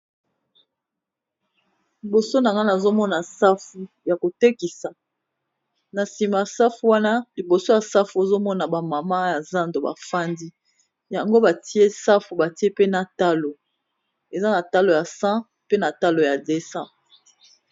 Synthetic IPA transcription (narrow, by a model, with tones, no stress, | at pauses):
li˨bo˨so˦na˨ŋɡa˦na˨zo˦mɔ˦na˨sa˦fu˨ | ja˨ko˨te˦ki˨sa˨ | na˨si˨ma˨sa˦fu˦wa˦na˦li˨bo˨so˦ja˨sa˦fu˦e˨zo˦mɔ˦na˨ba˨ma˨ma˦ja˨za˦ndo˨ba̰˨fa˦ndi˦ | ja˨ŋɡo˦ba˨ti˦e˦sa˦fu˨ba˨ti˦e˦pe˦na˨ta˦lo˨ | e˨za˦na˨ta˦lo˨ja˨sã˦ | pe˦na˨ta˦lo˨ja˨de˨sã˦